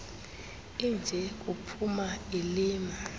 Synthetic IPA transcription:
ind͡ʒʱɛk̬ʼupʰumailiːma

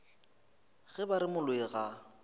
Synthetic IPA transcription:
ɣɛbaɾɪmʊlʊɛɣa

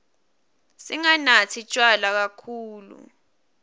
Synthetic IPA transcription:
siŋanatʰit͡ʃʼwalak̬akʰuːlṵ

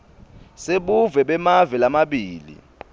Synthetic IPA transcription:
seɓuvɛɓɛmavɛlamaɓiːlḭ

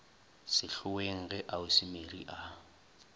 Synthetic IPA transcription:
sɪɬʊweŋ̩ɣɛʔaʊsɪmeriʔa

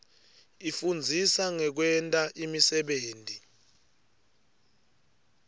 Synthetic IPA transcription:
ifund͡zʱisaŋɛk̬wɛntʼaʔimisɛɓeːntʼi

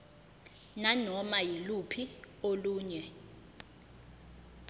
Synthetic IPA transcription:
nanɔmajilupʰi | oluːɲɛ

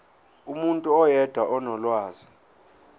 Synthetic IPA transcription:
umuntʼuɔjɛd̥ʱwaʔɔnɔlwaːzi

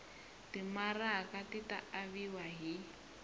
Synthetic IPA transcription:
timarakatitaaβiwaɦi

